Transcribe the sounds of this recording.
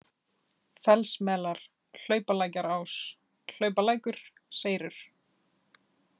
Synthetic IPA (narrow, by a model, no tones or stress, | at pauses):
fɛlsmɛːlaɾ̥ | l̥œːɥpalaːjcaɾaːws | l̥œːɥpalaːjkʏɾ̥ | seːjɾʏɾ̥